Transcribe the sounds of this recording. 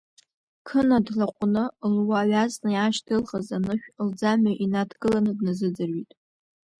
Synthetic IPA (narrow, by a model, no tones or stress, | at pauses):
kʰɨnadɮaqʷʼʊnɨlwaːɥaznɨjaʃdʰɨlʁazanɨʃᶣld͡zamaʔinadɡɨlanɨdnɨzɨd͡zɨrɥitʼ